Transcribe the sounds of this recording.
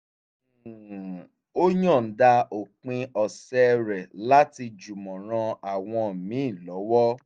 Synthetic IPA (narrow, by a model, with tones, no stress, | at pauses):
o˦ɲɔ̃˦˨n̩˨˦da˧o˨k͡pĩ˧ɔ˧sɛ˦ɾɛ˨la˦ti˧d͡ʒu˨mɔ̃˨ɾ̃ã˧a˨w̃ɔ̃˧mĩ˨˦˨lɔ˨˦wɔ˦